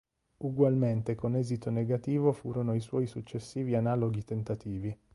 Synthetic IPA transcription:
uɡwalment̪ekonɛːzit̪oneɡat̪iːvofuːɾonoiswɔjsut͡ʃːesːiːvianaːloɡit̪ent̪at̪iːvi

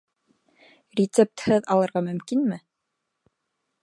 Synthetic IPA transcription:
rʲɪt̪sep̚t̪hɘðɑlˠɤ̆ɾʁɑmɵ̆mkinmɘ

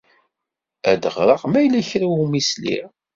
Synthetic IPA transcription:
æd̪əʁɾˤɑʁmæjlæçɾæwumislḭ

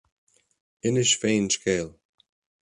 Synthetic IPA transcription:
ɪnɪʃfeːnʃkʰeːl

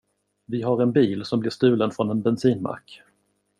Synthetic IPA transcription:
vɪɦaɾɛnbiːlsɔmblɪɾʂt̪ʉ̟ːlənfɾɔnɛnbɛnsiːnma̰ɾk

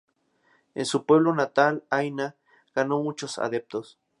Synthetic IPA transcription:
ḛnsupweβlonat̪alajna | ɡ̥anomut͡ʃosa̰ðep̚t̪os

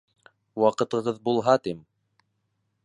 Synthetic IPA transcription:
wɑqɤ̆t̪ɤ̆ʁɤðbulˠɦɑt̪im

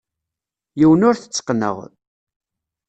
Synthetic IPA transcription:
jiwənʊɾθə̥t͡sːə̥qːnə̰ʁ

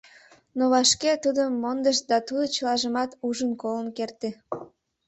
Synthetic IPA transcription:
noβɑʃket̪ud̪əmond̪əʃd̪ɑt̪ud̪ot͡ɕəlɑʒəmɑt̪uʒənkolənkert̪e

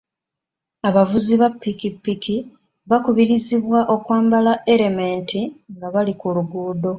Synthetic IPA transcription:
aβavuziβapːikipːikʰi | βakuβiɾiziβwaʔo̞kwaːmbalaʔe̞ɾe̞meːntʰiŋɡaβalikuluɡuːdo̞

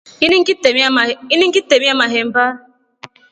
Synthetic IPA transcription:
inŋ̩iniŋ̩kitemiamaɦem̩ba

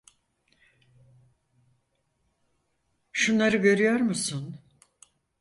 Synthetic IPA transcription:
ʃunlˠaɾɯɡø̞ɾyjo̞ɾmusun

